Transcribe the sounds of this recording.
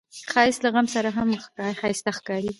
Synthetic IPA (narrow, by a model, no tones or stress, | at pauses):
xɑjɪslaɣamsaɾaɦamxkɑxɑjɪst̪axkɑɾi